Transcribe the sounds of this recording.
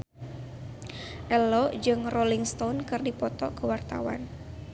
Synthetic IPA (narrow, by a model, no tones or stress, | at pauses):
ʔɛlɔd͡ʒɨŋrɔliŋst̪ɔnkɨrdipɔt̪ɔ̰kəwart̪a̰wa̰n